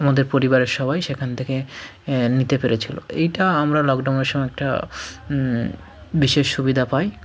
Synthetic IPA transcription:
amad̪eɾpoɾibaɾeɾʃɔβajʃekʰanet̪ʰeke | nit̪epeɾet͡ɕʰilo̰ejʈaamɾalɔkɖawneɾʃɔmɔɛk̚ʈa̰ | biʃeʃʃubid̪ʱapaj

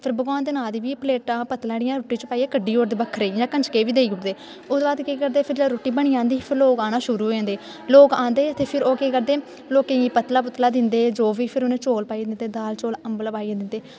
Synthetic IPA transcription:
pʰɪɾbəɡʋaːnd̪eːnãːd̪iːʋiːpleːʈaːpət̪lãːɽɪjãːɾoːʈːĩːt͡ʃəpaːijɛːkəɖːiːoːɾd̪eːbəkʰːɾeid͡ʒãːkə̃nt͡ʃkeːʋiːd̪eːiːʊʈd̪eː | ʊd̪baːd̪keːkəɾd̪eːpʰɪɾd͡ʒeɾoːʈːiːbəɳ̃iːãːnd̪iːpʰɪɾloːkaːnaːʃʊɾuːɦoãːnd̪eː | loːkãːnd̪eːət̪eːpʰɪɾoːkeːkəɾd̪eː | loːkẽːɡiːpət̪laːp̬ʊt̪laːd̪ɪnd̪eːd͡ʒoːʋiːpʰɪɾʊnẽːt͡ʃoːlpaːid̪ɪnd̪eːd̪aːlt͡ʃoːləmbəlːpaːiːãːd̪ɪnd̪eː

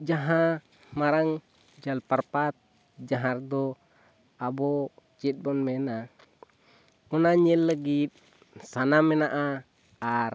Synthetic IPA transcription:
d͡ʒaɦa | maɾaŋ | d͡ʒalparpat̪̚ | d͡ʒaɦard̪ɔ | abɔt͡ʃit̪̚bɔnmɛna | ɔnaɲɛlːəɡit̪̚ | sanamɛnaʔa | ar

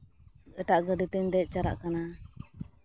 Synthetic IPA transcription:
əʈaʔɡəɖit̪ɛɲd̪ɛc̪̚ˀt͡ʃaɾa̰ʔkana

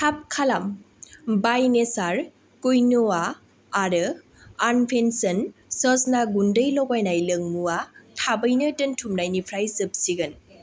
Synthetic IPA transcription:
tʰap̚kʰalam | bajnesaɾ | kujnoaː | ɾɯ | anpʰensənsɔsnaɡundəjlɔɡajnajlɯŋmuatʰabɯjnɯdɯntʰumnajnipʰɾajzɯp̚siɡɯn

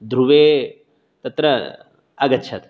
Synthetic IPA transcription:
d̪ʱɾuʋe | t̪ɐt̪ɾə | ɐɡɐtːʃʰɐt̪

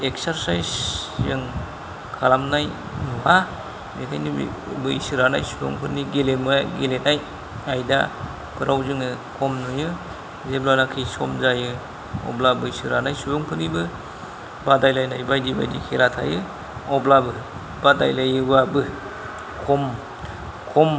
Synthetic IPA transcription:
ek̚saɾsajsjɯŋ | kʰalamnaj | nuwa | metʰajnib̰bɯisɯɾana̰jsubo̰ŋpʰɯniɡelemɯɡelenaj | ajda̰ | pʰɯɾʔawzɯŋɯkʰɔmnujɯ | zeblanakʰisɔmzajɯ | ɔ̰blabɯisɯɾanajsubɔŋpʰɯnibɯ | badajlajnajbajdiba̰jdikʰeɾatʰa̰jɯ | ɔblabɯ | bada̰jlajɯbabɯ | kʰɔm | kʰɔm

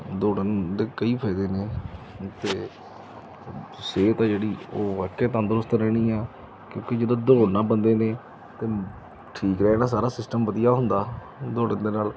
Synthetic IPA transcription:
d̪oːɽənd̪eːkəiːpʰɛːd̪eːneː | t̪eː | seːt̪ãːd͡ʒeːɽiːoːʋakeːt̪ãːd̪əɾʊst̪ɾɛːɽ̃ĩːɛː | kjõːked͡ʒɪd̪õːd̪oːnãːbənd̪eːneː | t̪eː | ʈʰiːkɾɛːnãːs̬aːɾaːsɪsʈəmʋəd̪ɪjaːɦʊnd̪aː | d̪oːɽənd̪eːnaːl

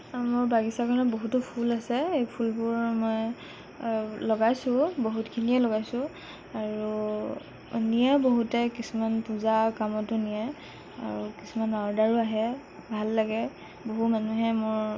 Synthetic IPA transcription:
moɹbaɡisakʰɔnɔboɦutʊpʰulasɛejpʰulbʊɹmɔj | lɔɡajsʊ̃boɦutkʰiniɛlɔɡajsʊ̃ | aɹu | nijɛboɦutɛkisumanpuzakamɔtʊnijɛ | a̰ɹukisumanaɔdaɹuaɦɛ | bʱalːaɡɛ | boɦumanuɦɛmʊɹ

